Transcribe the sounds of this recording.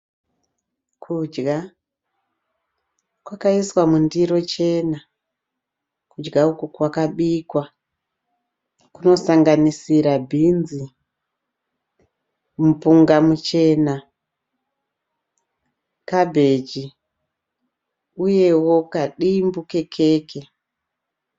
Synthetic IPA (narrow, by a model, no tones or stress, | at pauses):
kʰud͡ʒɡa | kwakaiswamundiɾo̞t͡ʃe̞na | kud͡ʒɡaukukwakaɓikwa | kuno̞saŋɡanisiɾabʱinzi | mupuŋɡamut͡ʃe̞ːna | kabʱe̞d͡ʒi | uje̞wo̞kaɗimbuke̞kʰe̞ːkʰe̞